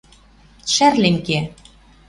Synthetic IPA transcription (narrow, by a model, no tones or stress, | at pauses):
ʃærlemke